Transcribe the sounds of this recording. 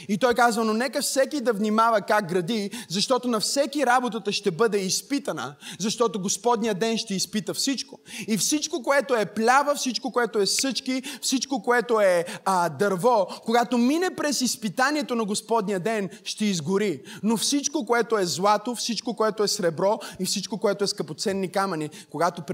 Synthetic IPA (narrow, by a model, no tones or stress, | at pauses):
it̪ɔɛkazvɐnonɛkəfsɛkid̪ɐvnimavɐkak̚ɡɾɐd̪izɐʃt̪ɔt̪onɐfsɛkiɾabot̪ət̪əʃt̪ɛbɤd̪ɛispit̪ɐnə̰zɐʃt̪ɔt̪oɡospɔd̪nijəd̪ɛnʃt̪ɛispit̪əfsit͡ʃkoifsit͡ʃkokoɛt̪oɛplʲavəfsit͡ʃkokoɛt̪oɛsɤt͡ʃkifsit͡ʃkokoɛt̪oɛd̪ɐɾvɔkoɡat̪ominɛpɾɛsispit̪aniɛt̪onɐɡospɔd̪nijəd̪ɛnʃt̪ɛizɡʊɾinofsit͡ʃkokoɛt̪oɛzlˠat̪ofsit͡ʃkokoɛt̪oɛsɾɛbɾɔifsit͡ʃkokoɛt̪oɛskɐpot̪sɛnːikamɐnikoɡat̪op